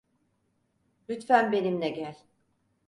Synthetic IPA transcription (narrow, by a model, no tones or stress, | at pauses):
lʲyt̪fænbe̞nimlɛɟælʲ